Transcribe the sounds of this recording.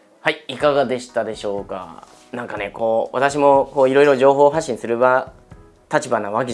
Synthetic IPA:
haiikaɡad̪e̞ɕi̥t̪ad̪e̞ɕo̞ːka̰ | nãŋkane̞ko̞ːβa̰t̪aɕ̬imo̞koːiɾo̞iɾo̞ʑo̞ːɦo̞ːɦaɕːĩɰ̃sɨɾɯ̟βa | t̪at͡ɕibanaβake

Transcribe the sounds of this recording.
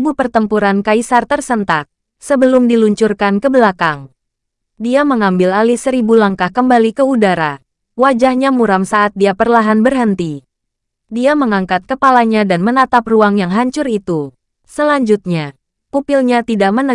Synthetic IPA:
bupərt̪əmpuɾankaisart̪ərsənt̪ak̚ | səbəlʊmdiluɲt͡ʃurkankəbəlakaŋ | diaməŋambɪlalɪhsəɾibulaŋkahkəmbalikəudaɾa | wad͡ʒahɲamuɾamsaʔat̪̚diapərlaɦanbərɦənt̪i | diaməŋaŋkat̪̚kəpalaɲadanmənat̪ap̚ruaŋjaŋɦaɲt͡ʃʊrit̪u | səlaɲd͡ʒut̪̚ɲa | kupilɲat̪idaʔmənə

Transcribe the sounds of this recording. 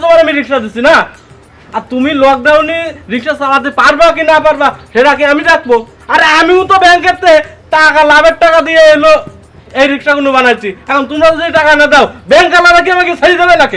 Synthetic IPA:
t̪omaɾamiɾikʃad̪isʰina | aɾt̪umilɔk̚ɖ̪awniɾikʃasalat̪̬epaɾbakinapaɾbaʃeʈak̬eamiɾak̚bo | aɾamiut̪obɛŋket̪ːeʈakalabeʈ̚ʈːakad̪ijeelo | ejɾikʃakonubanajt͡ʃʰiɛkʰɔnt̪umɾaed͡ʒjʈakanad̪aʊbɛŋkalabak̬iabakisʰaɾid̪ebalake

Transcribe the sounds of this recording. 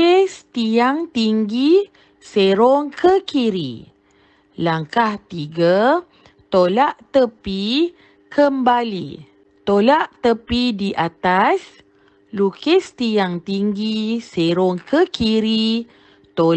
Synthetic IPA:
est̪iaŋt̪iŋɡi | seɾoŋkʰəkiɾḭ | laŋkaht̪iɡa | t̪olaʔt̪əpi | kʰəmbalḭ | t̪olaʔt̪əpidiʔat̪as | lukest̪iaŋt̪iŋɡiseɾɔŋkəkiɾi | t̪o

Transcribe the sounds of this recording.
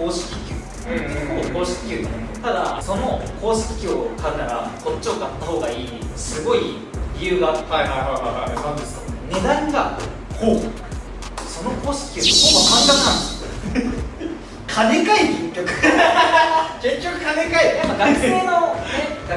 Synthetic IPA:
oːɕi̥kʲikʲɨː | okoːɕi̥kʲi̥kʲɯ̟ːd̪amot̪ad̪a̰so̞no̞ko̞ːɕi̥kʲi̥kʲookʰaɯnaɾa̰moko̞t͡ɕːoːkat̪ːaho̞ːɡaiːsɨɡo̞i | ɾʲijɯːɡaaaanad̪esne̞d̪ãŋɡa | hoː | so̞no̞ko̞ːɕi̥kʲi̥kʲɨːokomokãŋkakɯãne | kʰane̞kaiɡʲĩŋkʲokɯ̥ | d͡ʑẽɲt͡ɕʲokɯkanekaiamːaɡakɯ̥oːnonea

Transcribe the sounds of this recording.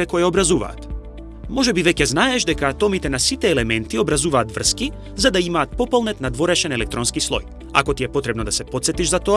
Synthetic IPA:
ɛkɔjɛobɾazuva̰ːt̪ | mɔʒɛbivɛcɛznaɛʃd̪ɛkaːt̪ɔmit̪ɛnasit̪ɛːlɛmɛnt̪iobɾazuvaːt̪vr̩ski | zad̪aimaːt̪̚pɔpɔlˠnɛt̪nad̪voɾɛʃɛnɛlɛk̚t̪ɾɔnskislˠɔ̰j | a̰kɔt̪iɛpot̪ɾɛbnod̪asɛpt̪sɛt̪iʒzat̪oa

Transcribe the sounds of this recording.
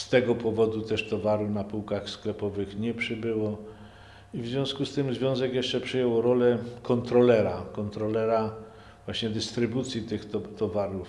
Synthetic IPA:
st̪ɛɡɔpɔvɔd̪ut̪ɛʂt̪ɔvaɾunapuwkaxsklɛpɔvɘxɲɛpʂɘbɘwɔ | ivzʲvʲjɔ̃w̃skust̪ɘmzvʲjɔ̃w̃zɛkjɛʂt͡ʂɛpʂɘjɛwɔɾɔlɛkɔnt̪ɾɔlɛɾakɔnt̪ɾɔlɛɾa | vwaɕɲɛd̪ɘst̪ɾɘbut̪sʲjit̪ɘxtɔt̪ɔvaɾuf

